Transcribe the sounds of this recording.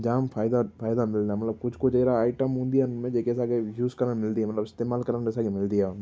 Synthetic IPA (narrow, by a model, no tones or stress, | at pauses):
d͡ʒaːmpʰaːɪd̪afʰaːɪd̪amɪld̪amɐt̪ləb̚kʊt͡ʃʰkot͡ʃeːɾaːɪʈəmɦũːnd̪ijanmẽd͡ʒeːkɛːsaːɡejuːzkɐɾənmɪld̪iɦɛmɐt̪ləbɪst̪eːmaːlkɐɾənɛːsaːɡemɪld̪iɦa